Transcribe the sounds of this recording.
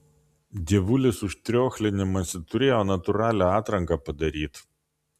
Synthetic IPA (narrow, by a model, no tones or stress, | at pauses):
d̪ʲiɛʋʊlʲɪsʊʃt̪ʲɾʲoːxʲlʲɪnʲɪmɐsʲɪt̪ʊɾʲeːjoːnɐt̪ʊɾɑːlʲæɑːt̪ɾɐŋkɑpɐd̪ɐɾʲiːt̪